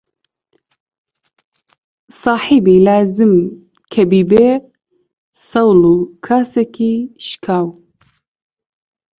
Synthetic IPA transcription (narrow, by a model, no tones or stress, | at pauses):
sɑːħibilaːzɨm | kʰɛbiːbe | sɐwluːkʰaːsekiːʃkʰaːw